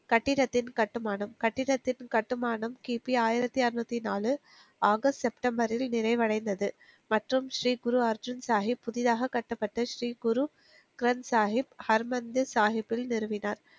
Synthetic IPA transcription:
kɐʈːɪɽɐt̪ːɪnkɐʈːɯmaːɳɐmkɐʈːɪɽɐt̪ːɪnkɐʈːɯmaːɳɐmkiːpiaːjɪɾɐt̪ːiɐɾɯnɐt̪ːinaːlɯ | aːɣɐssɛpʈɐmbɐɾɪlnɪɾɐɪʋɐɽɐɪnd̪ɐðɯ | mɐʈrɯmʃɾiːɡʊɾuɐɾd͡ʒɯnsaːɦɪpːʊðɪðaːɣɐkːɐʈːɐpːɐʈːɐʃɾiːɡʊɾu | kɪɾɐnsaːɦɪphɐɾmɐnd̪ɯsaːɦɪpːɪlnɪɾɯʋɪnaːɾ

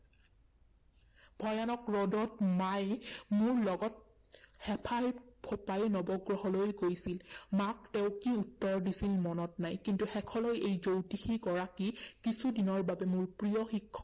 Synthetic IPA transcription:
bʱɔjanɔkɹɔdɔtmajmʊɹlɔɡɔt̚ | hɛpʰajpʰɔpajnɔbɔɡɹɔɦɔlojɡojsilmaktɛʊkiutːɔɹdisilmɔnɔtnajkintuxɛkʰɔlojejzowtixiɡɔɹakikisʰudinɔɹbabɛmʊɹpɹijɔxikʰːɔ

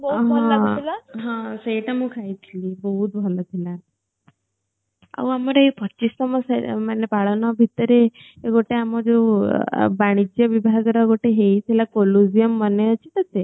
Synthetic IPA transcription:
bɦãlaɦãsəiʈamũkʰajt̪ʰlibɔɦut̪bʱɔlat̪ʰila | a̰ʋwaməɾeɦepʰət͡ɕist̪əməsamanepaɭanabʱit̪əɾe | eɡoʈʰeamɔd͡ze | baɽ̃id͡ʑjəʋibʱaɡɾaɡoʈeɦeit̪ʰilakoluzijəmːəneət͡ɕit̪əte

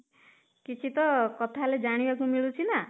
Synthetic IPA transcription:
kit͡ʃʰit̪ɔkɔt̪ʰaled͡ʒaɽ̃ibakumiɭut͡ʃʰina

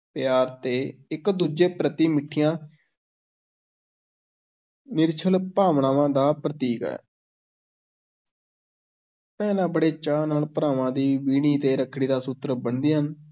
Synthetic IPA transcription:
pɪjaːɾt̪eːɪkd̪uːd͡ʒeːpɾət̪iːmɪʈʰːɪjãː | nɪɾt͡ʃʰəlpaːʋɳaːʋãːd̪aːpɾət̪iːkɛ̰ː | pɛːlãːbəɽeːt͡ʃaːnaːɳpəɾaːʋãːd̪iːʋiːɽ̃iːt̪eːɾəkʰːɽiːd̪aːsʊt̪ɾəbəɳd̪iːɦən

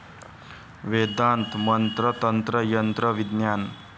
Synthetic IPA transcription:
ʋed̪ant̪mʌnt̪ɾʌt̪ʌnt̪ɾʌjʌnt̪ɾʌʋid̪njan

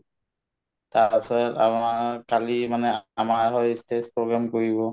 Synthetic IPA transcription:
taɹpasɔta̰makalimanɛamaɹɦɔjstespɹoɡɹamkoɹibɔ

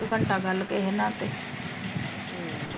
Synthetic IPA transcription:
kəɳʈaːɡəlkeɦeːnãːt̪eː

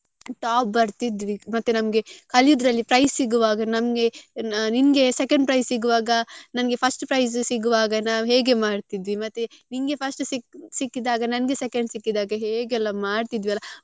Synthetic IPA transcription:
ʈaːp̚bɐɾt̪id̪ʋimɐt̪ːunɐmɡe̞kɐljud̪ɾɐlːipɾɐjsːiɡuʋaːɡɐnɐmɡe̞ninɡe̞sekɐɳɖpɾɐjssiɡuʋaːɡɐnɐnɐɡe̞pʰɐsʈpɾɐjs̬siɡuʋaːɡɐnaːʋɦeːɡe̞maːɖt̪id̪ʋimɐt̪ːuninɡe̞pʰɐsʈsiksikːid̪aːɡɐnɐnɡe̞sɛkeɳɖsikːid̪aːɡɐɦeːɡɛlːɐmaːɖt̪id̪ʋiɐlːɐ

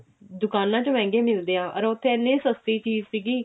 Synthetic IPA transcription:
d̪ʊkaːnãːt͡ʃomɛ̃ːŋɡeːmɪld̪eːãːʔəɾot̪ʰːeːnẽːsəst̪iːt͡ʃiːzsiːɡiː

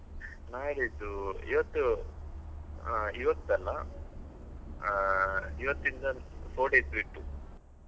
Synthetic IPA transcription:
naːjlit̪uḭʋɐt̪ːu | iʋɐt̪ːɐlːɐ | iʋɐt̪ːind̪ɐsoːɖesɾiʈːu

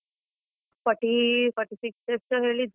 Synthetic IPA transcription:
fəʈifəʈisiksep̚t͡ɕəɦelid͡z

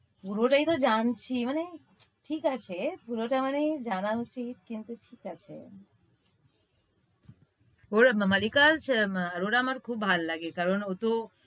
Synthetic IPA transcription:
puɾoʈajt̪od͡ʑant͡ɕʰimane | ʈʰikat͡ɕʰepuɾoʈamaned͡ʑanaut͡ɕit̪̚kint̪uʈʰikat͡ɕʰḛ | oɾmalikaɾʃaɾoɾamaɾkʰub̚bʱalːaɡekaɾonot̪o

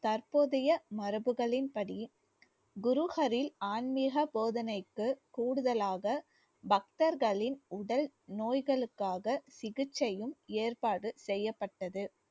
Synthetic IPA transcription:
t̪ɐɾpoːðɐjɐmɐɾɯbɯɣɐɭɪnpɐɽi | ɡʊɾʊɣɐɾɪlaːnmiɣɐpoːðɐnɐɪkːɯkuːɽɯðɐlaːɣɐ | bɐk̚t̪ɐɾɣɐɭɪnʊɽɐlnoːjɣɐɭɯkːaːɣɐsɪɣɯt͡ʃːɐjɯmeːrpaːɽɯsɛjːɐpːɐʈːɐðɯ

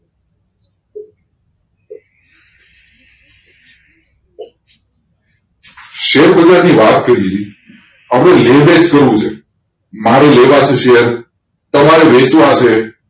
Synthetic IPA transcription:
ʃeɾbəd͡ʒaɾniʋat̪̚kəɾi | əmɾeleʋed͡ʒkəɾʋũt͡ʃʰe | maɾeleʋat͡ʃʰeʃeəɾ | t̪əmaɾeʋet͡ʃʋãʃe

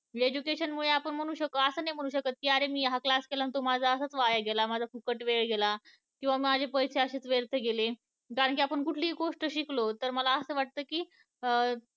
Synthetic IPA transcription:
ed͡ʑukeɕənmuɭeapəɳm̤əɽ̃ũɕəkːəəsəːnajm̤əɽ̃ũɕ̬əkət̪ːjaɾemiːɦaklaskelant̪omad͡zʱaəsat͡sʋajaɡelamad͡zʱafukəʈʋeɭɡela | kĩw̃ʋamiːmad͡ʑʱepəjseəɕeːt͡sʋeɾt̪ʰəɡele | kaɾəɳkiapəɳkuʈʰliːɡoʂʈəɕiklot̪əɾməlaəsəːʋaʈ̚t̪əːkiː

